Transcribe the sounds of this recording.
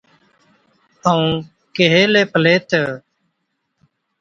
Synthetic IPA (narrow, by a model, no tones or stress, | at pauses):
əũː | keɦeːleːpəleːt̪ʰeː